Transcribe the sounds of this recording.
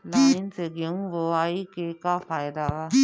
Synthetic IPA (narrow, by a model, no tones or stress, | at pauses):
laːɪnseɡjɐũʋoaːikekafʰaːjd̪aʋa